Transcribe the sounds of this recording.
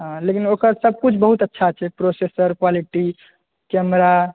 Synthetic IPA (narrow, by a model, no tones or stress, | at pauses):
ɦãlekinokəɾsəb̚ʱkut͡ʃʰbəɦut̪ətːʃʰat͡ʃʰɛpɾosesəɾkwaliʈi | kɛmɾa